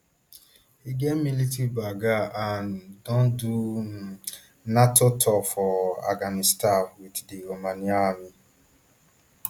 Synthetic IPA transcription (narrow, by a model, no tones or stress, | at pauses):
iɡemilitibaɡaʔandɔ̃n̩du | natotʰɔfɔa̰ɡanistawiddiɾomaniaami